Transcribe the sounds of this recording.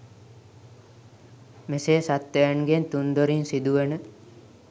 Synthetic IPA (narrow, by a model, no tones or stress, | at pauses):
meseːsat̪ːejanɡent̪und̪oɾinsid̪uʋənə